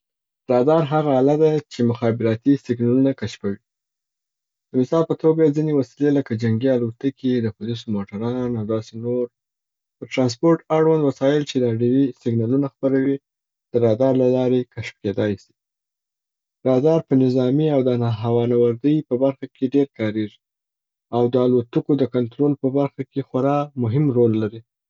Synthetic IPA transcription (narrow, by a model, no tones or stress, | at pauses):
ɾɑd̪ɑɾɦaɣaːlad̪at͡ʃemʊxɑbɪɾɑt̪isɪɡnɑlunakaʃpawi | d̪̥əmɪsɑlpət̪ʰoɡad͡zinewasileləkad͡ʒaŋɡialot̪akʰid̪əpʊlis̬omoʈaɾɑnawd̪ɑsenoɾ | pəɾʈɾɑns̬poɾʈaɽwand̪wasɑjɪlt͡ʃed̪ɖiwisɪɡnɑlunaxpəɾawi | d̪̥əɾɑd̪ɑɾlalɑɾekaʃp̚ked̪ɑjsi̥ | ɾɑd̪ɑɾpənɪzɑmiawd̪ənaɦawɑnawaɾd̪əjpəbaɾxakʰeɖeɾkɑɾeʐi | awd̪əalot̪ukod̪əkant̪ɾolpəbaɾxakexwaɾɑmʊɦɪmɾolːaɾi